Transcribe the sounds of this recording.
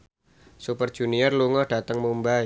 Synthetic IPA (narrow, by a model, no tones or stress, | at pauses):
supərd̥ʒ̥unijɔrluŋɔhɖ̥a̤t̪əŋmumbai